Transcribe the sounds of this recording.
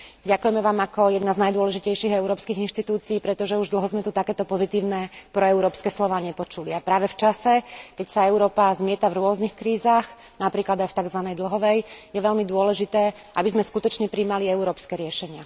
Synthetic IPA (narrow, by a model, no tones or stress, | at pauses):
ɟakujɛmɛʋaːmakɔjɛd̪naznajd̪ʊɔlɛʒicɛjʃiɣɛuɾɔːpskiɣinʃt̪it̪uːt͡siːpɾɛt̪ɔʒɛuʒd̪l̩ɦɔzmɛt̪ut̪akɛːt̪ɔpɔzit̪iːʊnɛpɾɔɛʊɾɔːpskɛːslɔʋaːɲɛpɔt͡ʃuliapɾaːʋɛft͡ʃasɛkɛcsaɛʊɾɔːpazmɪɛt̪avɾʊɔznixkɾiːzaːx | napɾiːklad̪ajft̪aɡzʋanɛjd̪l̩ɦɔʋɛjjɛʋɛʎmid̪ʊɔlɛʒit̪ɛː | ʔabizmɛskut̪ɔt͡ʃɲɛpɾiːmaliɛuɾɔːpskɛːɾɪɛʃɛɲɪa